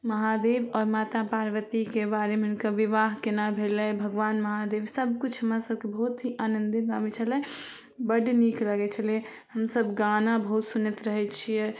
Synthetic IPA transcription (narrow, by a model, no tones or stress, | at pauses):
məɦad̪ebɔːɾmaːt̪apaɾʋət̪ikebaɾemeunkəʋiʋaɦkenabʱelɛbʱəɡʋaːnməɦad̪eːbsəbʱkut͡ʃʰɦəmɾasəb̚kebəɦut̪ɦiʔanə̃nd̪ibaʋɛt͡ʃʰəlɛ | bəɖnikləɡɛt͡ʃʰəle | həmsəbɡanabəɦut̪sunjət̪ɾəɦɛt͡ʃʰijɛ